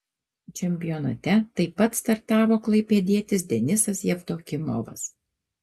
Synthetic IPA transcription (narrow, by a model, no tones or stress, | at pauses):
t͡ʃʲɛmʲpʲɪjonɐ̰t̪ʲɛt̪ɐɪpːɐt̪st̪ɐɾt̪ɑːʋoːklˠɐɪpʲeːd̪ʲiɛt̪ʲɪs̬d̪ʲɛnʲɪsɐsjɛpt̪oːkʲɪmo̰ːʋɐ̰s